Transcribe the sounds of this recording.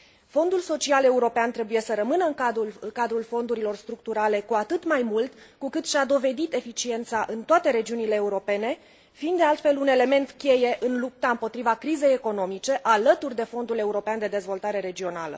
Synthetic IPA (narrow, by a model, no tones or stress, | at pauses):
fo̞nd̪ulso̞t͡ʃiale̞uɾo̞peant̪ɾe̞buje̞səɾəmɨnəɨŋkad̪ulkad̪ɾulfo̞nd̪uɾilo̞rst̪ɾuk̚t̪uɾale̞kuat̪ɨt̪majmult̪ | kukɨt̪ʃad̪o̞ve̞d̪it̪e̞fit͡ʃie̞nt̪saʔɨnt̪oat̪e̞ɾe̞d͡ʒiunile̞ːuɾo̞pe̞ne̞ | fiːnd̪d̪ealt̪fe̞lune̞le̞me̞nt̪kʲe̞je̞ʔɨnlup̚t̪aɨmpo̞t̪ɾivakɾize̞jeko̞no̞mit͡ʃe̞ʔalət̪urʲd̪e̞fo̞nd̪ule̞uɾo̞peand̪e̞d̪e̞zvo̞lt̪aɾe̞ɾe̞d͡ʒio̞nalə̰